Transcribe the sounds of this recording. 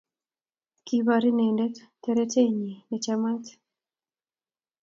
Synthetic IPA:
ki˦βaɾi˦nɛ˨ndɛ˦ttɛɾɛ˦te˦ɲi˨nɛ˨t͡ʃama˦t

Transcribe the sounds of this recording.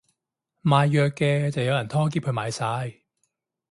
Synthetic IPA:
maː˨˧jːœː˨kːɛː˧t͡sɐ˨wjɐ˧wjɐ˨˩nt̪ʰɔː˥k̬iː˧˥p̚kʰɵ˧maː˨˧jsaː˨˧j

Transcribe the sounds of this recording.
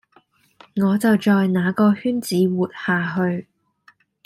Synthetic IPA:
ŋɔː˨˧t͡sɐ˨wt͡ʃɔː˨jnaː˨˧kɔː˧hyː˥nt͡siː˨˥wuː˨t̚haː˨ɦɵ˧ɥ

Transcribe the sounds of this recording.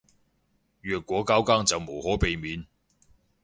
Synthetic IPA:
ɥœː˨˩t̚kʷːwɔː˨˥kaː˥wkaː˥ŋt͡sɐ˨wmo˨˩whɔː˨˥pe˨jmiː˨˥n

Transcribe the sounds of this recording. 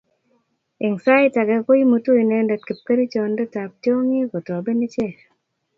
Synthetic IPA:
i˨ŋsa˦ɪ˦ta˨ɡɛ˨ko˦i˦mu˨tu˦i˨nɛ˧ndɛ˨t̚ki˨p̚ke˦ɾi˦t͡ʃɔ˨ndɛ˦ta˨p̚tjo˦ŋi˦ko˨ta˨be˦ni˦t͡ʃe˦˨

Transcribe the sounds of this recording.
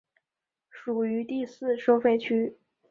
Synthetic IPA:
ʂu˨˩y˧˥t̪i˥˧sɹ̩˥˩ʂo˥ʊfe˥˩ɪt͡ɕʰy˥

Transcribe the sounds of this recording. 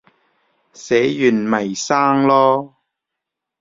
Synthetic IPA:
sɛː˨˥jyː˨˩nmɐ˨˩jsaː˥ŋlɔː˥

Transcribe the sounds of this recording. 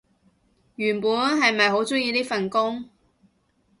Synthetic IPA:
jyː˨˩npuː˨˥nɦɐ˨jmɐ˨jɦo˨˥wt͡sʊ˥ŋjiː˧t̪iː˥fɐ˨nkʊ˥ŋ

